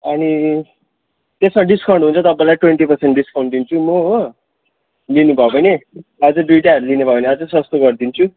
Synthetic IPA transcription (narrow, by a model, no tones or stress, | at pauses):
ʌni | t̪esmaɖiskaw̃ɳɖɦunt͡sʰʌt̪ʌpːalajʈweɳʈipʌrseɳʈɖiskaw̃ɳɖd̪int͡sʰumʌ | linubʱʌbʌneʌd͡zʌɖɾiʈaʌɾulinebʱʌbʌneʌd͡zʌsʌst̪oɡʌɾd̪int͡sʰu